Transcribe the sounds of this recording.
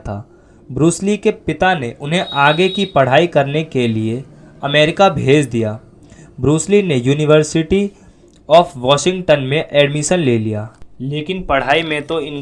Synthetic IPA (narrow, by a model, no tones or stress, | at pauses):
t̪ʰaː | bɾuːslikepɪt̪aneʔʊnɦẽʔaːɡekipɐɽ̤aːikɐɾnekelie | ɐmɛːɾɪkabʱeːd͡ʒd̪ijaː | bɾuːslinejuːnɪʋəɾsɪʈi | ɔːfʰʋɔːʃɪ̃ŋɡʈənmẽʔɛːɖmɪʃənleːlijaːleːkɪnpɐɽ̤aːimẽt̪oɪ̃n